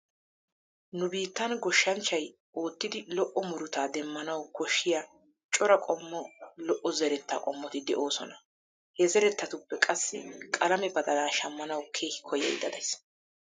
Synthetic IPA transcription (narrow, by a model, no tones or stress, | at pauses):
nʊbiːt̪ːɐnɡɔʃːɐnt͡ʃːɐj | oːt̪ːɪd̪ɪlɔʔːɔmʊɾʊt̪aːd̪ɛmːɐnɐwkʰɔʃːɪja | t͡ʃʼɔɾɐkʼɔmːɔlɔʔɔzɛɾɛt̪ːa̰ːkʼɔmːɔt̪ɪd̪ɛʔoːsɔnɐ | hɛzɛɾɛt̪ːɐt̪ʊpːɛkʼɐsːɪkʼɐlɐmɛbɐd̪ɐlaːʃɐmːɐnɐwkʰe̞ːhɪ̥kʰɔjɐ̰jd̪ɐd̪ɐjs